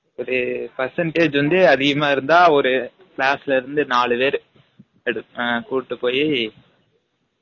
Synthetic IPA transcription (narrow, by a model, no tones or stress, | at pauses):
ɔðɯpɛɾsɐɳʈeːd͡ʒʋɐnd̪ɯɐðɪɣɐmaːɪɾɯnd̪aːɔɾɯ | kɭaːsɪlɪɾɯnd̪ɯnaːɭɯʋeːɾɯ | ɛɽɯkuːʈːɯpːoːji